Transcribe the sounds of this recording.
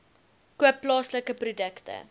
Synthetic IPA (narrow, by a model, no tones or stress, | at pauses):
kuəpːlɑːsləkəprudəktə̰